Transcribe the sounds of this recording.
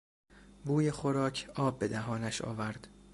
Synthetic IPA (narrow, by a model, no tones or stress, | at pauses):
buːjexoɾɒːcʰɒːbːe̞d̪æɦɒːnæʃɒ̰ːvæɾd̪̥